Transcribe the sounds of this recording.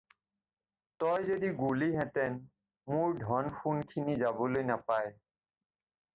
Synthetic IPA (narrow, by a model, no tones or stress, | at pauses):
tɔjzodiɡuliɦɛtɛn | muɹdʱɔnxunkʰinizabɔlojnapaj